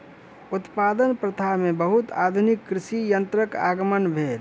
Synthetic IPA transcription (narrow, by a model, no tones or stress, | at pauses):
ut̪pad̪ənpɾət̪ʰaɦmẽbəɦut̪a̰ːd̪ʱunikːɾɪsijənt̪ɾəka̰ːɡəmənbʱeːɾ